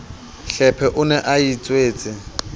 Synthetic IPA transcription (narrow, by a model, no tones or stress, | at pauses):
ɬɛpʰɛʔʊnɛʔait͡sʼweːt͡sʼɪ